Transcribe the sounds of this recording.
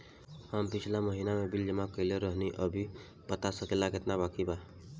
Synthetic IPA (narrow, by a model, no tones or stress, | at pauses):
həmpit͡ʃʰilaməɦinamebild͡ʒəmãkəɪleɾəɦniʔəbʱi | pət̪asəkelaket̪nabakiba